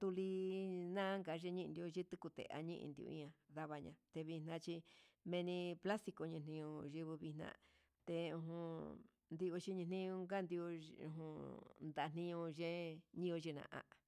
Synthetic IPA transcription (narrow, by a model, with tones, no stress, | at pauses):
t̪u˧li˧nã˦ŋɡa˨˦ʒe˧ɲĩ˦ʔnd̪i˧o˧ʒi˦t̪ɨ˦ku˧t̪ḛ˨ʔa̰˧ɲĩ˦ʔḭ̃˧nd̪ḭ˧õ̰˧ḭ̃˦˧ã˧ða˧βa˧ɲã̰˧t̪e˧βi˧n̥ã˧t͡ʃi˧mẽ˧nĩ˧pla˦st̪i˧ko˧ɲĩ˧nĩ˧ɲũ˧ʒi˧βɨ˧βi˧n̥ã̰˧ | t̪e˧ũ˧ɦũ˧ | nd̪i˧o˧t͡ʃi˦ɲĩ˧nĩ˧ũ˧ŋɡa˦nd̪i˧o˧ṵ̃˧ɦũ˧nd̪a˨˧˨n̥ĩ˧ɲũ˧ʒẽ˦ɲĩ˦˧o˧ʒi˧nã̰˧ʔã̰˧